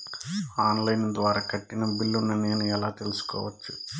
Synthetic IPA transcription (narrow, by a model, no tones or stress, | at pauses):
aːnlɐjnd̪ʋaːɾaːkɐʈːinɐbilːunɐneːnuɛlaːt̪e̞lusu̥kɔ̰ːʋɐt͡ʃːu